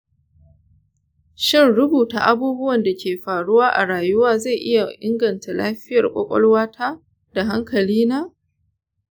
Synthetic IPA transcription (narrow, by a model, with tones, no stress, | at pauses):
ʃɪ˦nɽʊ˦buː˨ta̰˨ʔa˦buː˦bʊ˦wɐ˨nda˨kʲeː˨ɸaː˨ɽʊ˦waː˦ʔa̰˨ɽaː˨jʊ˦waː˦za˦˨jʔɪ˦ja˨ʔɪ˦ŋɡɐ˨nta˨la̰ː˦ɸɪ˦jɐ˨rkʷʼɔ̰˦kʷʼɔ̰˦lwaː˦tʰa˦ | d̥a˨ɦa˦ŋkɐ˨liː˦naː˦